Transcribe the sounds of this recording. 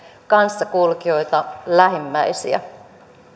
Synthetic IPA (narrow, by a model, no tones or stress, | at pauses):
kɑnsːɑkulkio̞jt̪ɑlæɦimːæjsḭæ̰